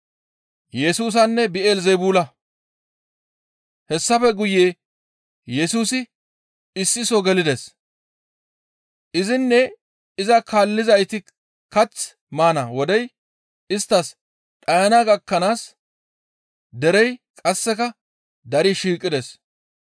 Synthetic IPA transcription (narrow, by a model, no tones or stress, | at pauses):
jɛsuːs̬ɐnːɛbɪeːlzɛjbuːlɐ | hɛsːɐfɛɡʊjːeː | jɛsuːsɪ | ɪsːɪsɔɡɛlɪd̪ɛs | ʔɪzɪnːɛ | ɪzɐkaːlːɪzɐjt̪ɪ | kɐt͡s | maːnɐwɔd̪ɛj | ɪst̪ːɐs | ᶑʼɐjɐnaːɡɐkːɐnaːs | d̪ɛɾɛjkʼɐsːɛkɐ | d̪ɐɾɪʃiːkʼːɪd̪ɛs